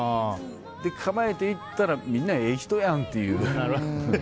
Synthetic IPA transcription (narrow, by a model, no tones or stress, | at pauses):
a | d̪ekʰamaet̪eit̪ːaɾaminːaeçʲi̥t̪ojãŋt̪ːejɯ